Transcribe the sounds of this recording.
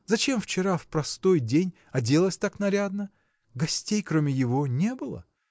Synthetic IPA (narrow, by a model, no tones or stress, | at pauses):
zɐt͡ɕe̞mft͡ɕɪɾafpɾɐst̪o̞jdʲenʲ | ɐdʲe̞lˠəsʲt̪aknɐɾʲad̪nə | ɡɐsʲtʲejkɾomʲɪjɪvo̞nʲebɨlˠə̰